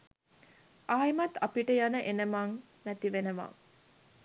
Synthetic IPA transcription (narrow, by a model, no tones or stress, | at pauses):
ʔaːjmɐt̪ːapiʈəjanəʔenəmaŋ | næt̪iʋenəʋa̰